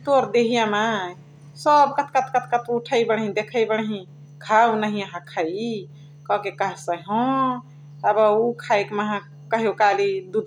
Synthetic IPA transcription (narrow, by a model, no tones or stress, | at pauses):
t̪oɾd̪eɦijãma | səbkət̪ʰkət̪ʰkət̪ʰkət̪ʰuʈʰəjbəɽɦĩd̪ekʰəjbəɽ̃ɦĩ | kʰawnaɦiəɦãkʰai | kɔkekəɦsəɦɔ̃ | əbəukʰaekməɦã | kəɦekalid̪ud̪